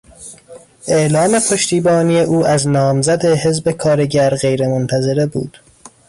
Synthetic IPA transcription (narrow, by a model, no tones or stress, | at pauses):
ʔeʔlɒːme̞pʰoʃt̪iːbɒːnije̞ʔuːʔæznɒːmzæd̪eɦe̞zbe̞kʰɒːɾe̞ɟæɾɣe̞jɾe̞mont̪ʰæze̞ɾe̞bṵːd̪̥